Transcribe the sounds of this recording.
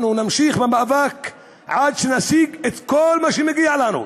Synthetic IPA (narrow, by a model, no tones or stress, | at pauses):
nunamʃiχbemaʔvak | ʕad̪ʃenasiɡet̪kolmaʃimeɡialanṵ